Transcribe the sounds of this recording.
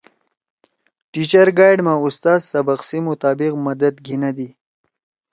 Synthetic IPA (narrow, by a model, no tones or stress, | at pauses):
ʈit͡ɕɐɾɡaːjɖmãust̪aːzsɐbɐqsimʊt̪aːbɪqmɐd̪ɐd̪ɡʱinad̪i